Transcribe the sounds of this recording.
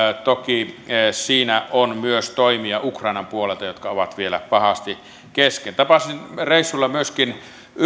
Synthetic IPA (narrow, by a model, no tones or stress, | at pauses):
t̪okisiːnæʔonmyøst̪oimiɑukrˑɑˑinɑmpuolelt̪ɑjot̪kɑoʋɑt̪ʋielæ̰pɑhɑst̪i | keskent̪ɑpɑsinreisːulːɑmyøskin